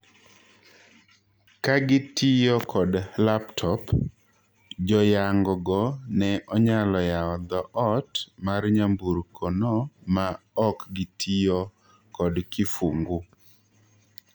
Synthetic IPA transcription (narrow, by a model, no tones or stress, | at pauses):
kaɡɪtʰijɔkʰɔdlaptʰɔp | d͡ʒɔjaŋɡɔɡɔnɛʔɔɲalɔjaɔd̪ɔʔɔtmarɲambuɾkʰɔnɔma | ɔkɡɪtʰijɔ | kɔdkifuŋɡu